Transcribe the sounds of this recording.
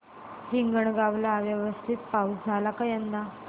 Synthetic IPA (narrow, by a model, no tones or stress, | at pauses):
hiŋɡəɳɡaʋlaʋjəʋəst̪ʰit̪pausd͡zʱalakajənd̪a